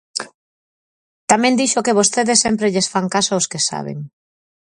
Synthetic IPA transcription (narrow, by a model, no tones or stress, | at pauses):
t̪amɛ̃nd̪iʃokeβ̞ost̪eðesːempɾeʎesfaŋkasaoskesa̰βḛŋ